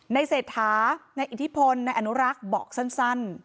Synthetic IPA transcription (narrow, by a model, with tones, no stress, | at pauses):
na˧jseː˨˩t̪̚t̪ʰːaː˩˦na˧jʔi˨˩t̪ʰi˦˥pʰo˧nːa˧jʔa˧nu˦˥ɾa˦˥k̚bɔ̰ː˨˩k̚sa˥˩nsa˥˩n